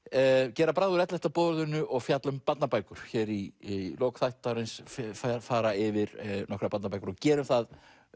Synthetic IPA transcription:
cɛːɾapɾaːðʏɾɛt̪lɛht̪apɔːðɾðʏnːʏʔɔɣfjat̪lʏmpat̪napaːjkʏɾ̥çɛɾiloːwkθajht̪aɾɪnsfafaːɾaɪvɪɾnɔkɾapat̪napajkɾɔɣcɛːɾʏmθað

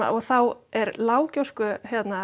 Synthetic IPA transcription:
a̰ɔɣθawɛɾlaːwcowskʏçjɛt̪na

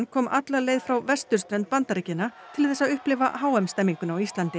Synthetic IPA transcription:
nkʰɔːmʔat̪laleːjðfɾawvɛst̪ʏɾ̥st̪ɾɛnt̪̚pant̪aɾicɪnat̪ʰɪlθɛsːaðʏhplɪva̰ɦaːwɛmst̪ɛmːiŋkʏnawist̪lant̪ɪ

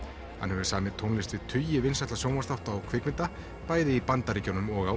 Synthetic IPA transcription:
ha̰nhɛvʏsaːmɪt̪ʰownlɪst̪vɪðt̪ʰʏjɪvɪnsaɛht̪lasjoːwmast̪aw̥t̪aːwkʰvɪkmɪnt̪a | paːjðɪipant̪aɾicawnʏmɔɣa

